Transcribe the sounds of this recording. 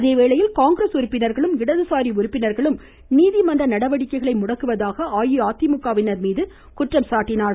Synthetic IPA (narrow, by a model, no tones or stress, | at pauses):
ɐðeːʋeːɭɐjɪlkaːŋɡɪɾɐːsʊɾʊpːɪnɐɾɣɐɭɯmɪɽɐðɯsaːɾiʊɾɯpːɪnɐɾɣɐɭɯm | niːðimɐndrɐnɐɽɐʋɐɽɪkːɐɪɣɐɭɐɪmʊɽɐkːɯʋɐðaːɣɐaːjɯaːt̪ːɪmʊkːaːʋɪnɐɾmiːðɯ | kʊʈrɐmsaːʈːɪnaːɭ